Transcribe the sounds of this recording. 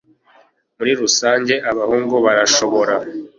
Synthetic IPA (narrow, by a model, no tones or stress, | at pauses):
muɾiɾusaːɲɟe̞ʔaβahuːŋɡuβaɾaʃo̞βo̞ɾa